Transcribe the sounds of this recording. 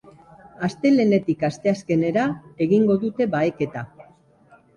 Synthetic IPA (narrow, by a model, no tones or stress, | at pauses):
ast̪e̞le̞ne̞t̪ikast̪e̞aske̞ne̞ɾae̞ɣiŋɡo̞ðut̪e̞βae̞ke̞t̪a